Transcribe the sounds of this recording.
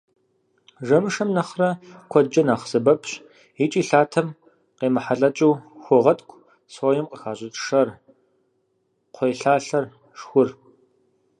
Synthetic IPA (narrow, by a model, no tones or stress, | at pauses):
ʐɐmɨʂɐmnɐχrɐkʷʰɔd͡ʒɐnaːχzɨbɐpʰɕ | it͡ʃʼiːɬaːtʰɐm | qeːmɨħaɬʼɐt͡ʃʼuːxʷɔʁɐtʼkʷʰʼ | soːjɪmqəxaːɕʼɪt͡ʃʼʂɐr | qʷʰejɬaːɬɐr | ʂxʷʊr